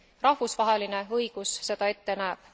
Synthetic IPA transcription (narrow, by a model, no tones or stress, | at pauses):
rɑhvusvɑɦe̞line̞ɤjɡ̥usːe̞d̪̥ɑe̞t̪ːe̞næːb̥̚